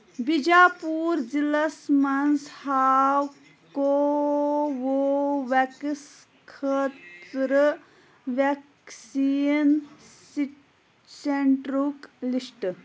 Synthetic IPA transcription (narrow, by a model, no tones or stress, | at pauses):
bid͡ʒaːpuːɾd͡ʒilɐsmɐnshaːw | ko | ʋoʋɛks | kʰət̪ɾə | ʋek | sinsiʈ | seɳʈɾuklisʈ